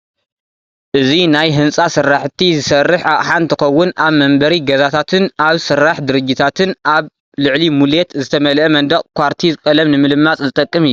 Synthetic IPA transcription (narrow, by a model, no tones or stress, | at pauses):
ʔɨzinajɦɨnt͡sʼasɨrːaħt̪ʰizɨsɐrːɨħʔaʔʼħant̪ʰɨxɐwːʊnaβmɐmbɐɾiɡɐzat̪ʰat̪ʰɨnaβsɨrːaħd̪ɨɾɨd͡ʒːɪt̪ʰat̪ʰɨnʔaβ | lɨʕlimulet̪zɨt̪ʰɐmɐlʔemɐnd̪ɐkʼkʷʰaɾt̪ʰizɨkʼɐlɐmnɨmɨlɨmːat͡sʼzɨt̪ʼɐkʼːɨmɨːu